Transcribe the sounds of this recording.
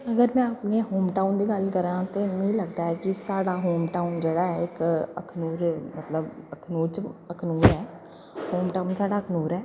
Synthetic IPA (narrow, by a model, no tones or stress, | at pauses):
əɡəɾmɛ̃ːapneːɦoːmʈaːund̪iːɡəlkəɾãːt̪eːmĩːləɡd̪aːɦɛːkɪsaːɽaːɦoːmʈaːʊnd͡ʒeːɽaːɛɪkə̰kʰnuːɾmət̪ləbəkʰnuːɾt͡ʃəkʰnuːɾɛː | hoːmʈaːunsaːɖaːəkʰnuːɾɛː